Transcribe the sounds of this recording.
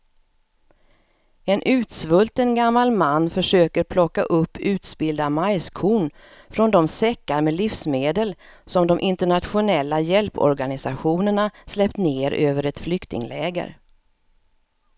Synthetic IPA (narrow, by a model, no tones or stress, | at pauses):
ɛnʔʉ̟ːt̪svɵlt̪ənɡamːalmanːfœʂøːkəɾpʰlɔkːa̰ʔɵpːʉ̟ːt̪sbɪld̪amajskʰuːɳ | fɾɔnd̪ɔmsɛkːaɾmɛlifsmeːd̪əlsɔmd̪ɔmʔɪnt̪əɳat̪ɧʊnɛlːajɛlpɔ̰ɾɡanɪsaɧuːnəɳaslɛpt̪neːɾøːvəɾɛt̪flʏkt̪ɪ̰ŋlɛːɡə̰ɾ